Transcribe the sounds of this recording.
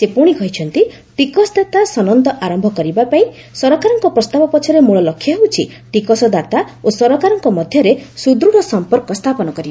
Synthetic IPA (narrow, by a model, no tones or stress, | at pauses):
sepuɽ̃ikɔɦit͡ʃʰɔnt̪i | ʈikɔsɔd̪at̪asɔnɔnt̪ɔʔaɾɔmbʱɔkɔɾibapaĩ | sɔɾɔkaɾɔŋkɔpɾɔst̪abɔpɔt͡ʃʰɔɾemuɭɔlɔkʰːjɔɦewt͡ʃʰi | ʈikɔsɔd̪at̪aosɔɾɔkaɾɔŋkɔmɔd̪ʱjɔɾesud̪ɾuɽɔsɔmpɔɾkɔst̪ʰapɔnɔkɔɾiba